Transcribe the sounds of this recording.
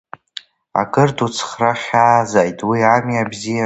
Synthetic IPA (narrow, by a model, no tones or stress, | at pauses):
a̰kʼɨrdut͡sʰχraχʲaːzajtʼwiamiabzija